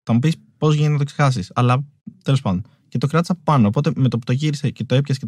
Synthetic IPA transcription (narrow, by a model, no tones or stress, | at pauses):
t̪ɐmupis | po̞zʝeniznɐt̪oksexɐsisɐlɐt̪e̞lospɐnd̪on | ce̞t̪o̞kɾɐt̪i̥sɐpo̞pɐnoːpo̞t̪e̞met̪opt̪o̞ʝiɾisece̞t̪oe̞pçɐsce